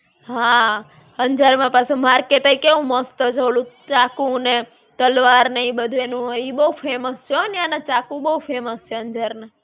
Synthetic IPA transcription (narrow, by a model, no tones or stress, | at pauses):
ɦã | əɲd͡ʒəɾmãpasemaɾket̪əikeʋũmɔst̪əd͡ʒəʋlũt͡ʃakũne | t̪əlʋaɾnəĩbəd̪ʱʋenũɦoibəufʰeməst͡ʃonjanãt͡ʃakũbəufʰeməst͡ʃeə̃ɲd͡ʒaɾnã